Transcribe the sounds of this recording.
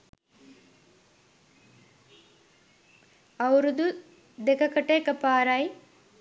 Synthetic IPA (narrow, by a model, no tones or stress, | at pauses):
ɐwɾud̪u | d̪ekɐkɐʈeːkɐpaːɾɐj